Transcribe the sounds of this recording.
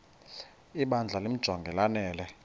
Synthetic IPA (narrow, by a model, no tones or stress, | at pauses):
iɓand͡ɮʱalem̩d̥ʒ̥ʱwaŋɡʱɛlanɛːlɛ